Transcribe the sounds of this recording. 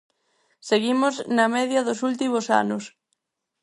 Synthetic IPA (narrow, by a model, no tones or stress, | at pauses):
seɣimʊznɐmɛðjɐðʊsult̪imʊsa̰nʊs